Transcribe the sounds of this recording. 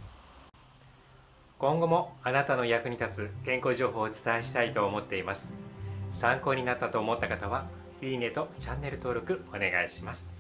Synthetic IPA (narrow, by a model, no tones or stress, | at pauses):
kõ̞ŋɡo̞mo̞anat̪ano̞ijakɯ̟ɲ̟it̪at͡sɨkẽ̞ŋko̞ːʑo̞ːɦo̞ːt͡sɨ̥t̪aeɕi̥t̪ait̪o̞ːmo̞t̪ːe̞imasɨ̥sãŋko̞ːɲ̟inat̪ːat̪o̞ːmo̞t̪ːakat̪aβ̞a | iine̞t̪o̞t͡ɕãnːe̞ɾɯ̟t̪o̞ːɾo̞kɯ̟one̞ɡaiɕimasɨ̥